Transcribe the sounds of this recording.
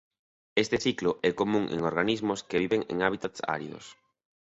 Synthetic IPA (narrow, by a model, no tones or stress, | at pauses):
est̪ɪsiklʊʔɛkomũŋḛŋoɾɣanizmʊskeβiβeŋḛŋaβit̪at̪sa̰ɾjo̰s